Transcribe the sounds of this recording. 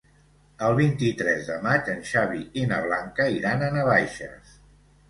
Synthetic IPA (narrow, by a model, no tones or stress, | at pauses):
əlˠβint̪it̪ɾɛzðəmat͡ʃənʃaβ̞iinəβ̞laŋkəiɾanənəβajʃə̰s